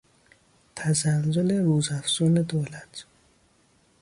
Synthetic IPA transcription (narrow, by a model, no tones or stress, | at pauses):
t̪ʰæzælzoleɾuːzæfzuːned̪oːlæt̪ʰ